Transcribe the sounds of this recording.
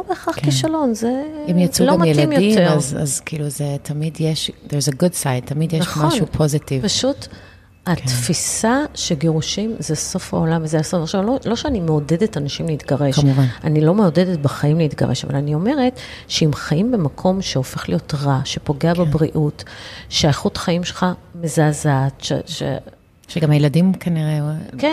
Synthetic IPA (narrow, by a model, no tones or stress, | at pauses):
lobeːχaχkiʃalo̞nzeimjat͡sulomamajelaimjotieaza̰zkiːluzetʰɐmidjeʃd̪eɹzeɡudsajd̚t̪ɐmidjenaʃχmaonupʰozitivpaʃut | hat̪fisaʃeɡeʁuʃimzeso̞fa̰o̞lamvezeasofʁʃamlolo̞ʃeanimeodedetanaʃimleitɡaʁeʃvanʔanilo̞me̞odedetbaχajimleitɡa̰ʁeʃa̰va̰lanio̞me̞ʁe̞t | ʃeimχajimbe̞makʰo̞mʃeo̞fe̞χlijo̞tʁaʃe̞po̞ɡe̞abebʁiʔutʃeaeχutχajimʃelχamezazatʃḛʃḛ | ʃeɡamajeladimkʰaniʁeke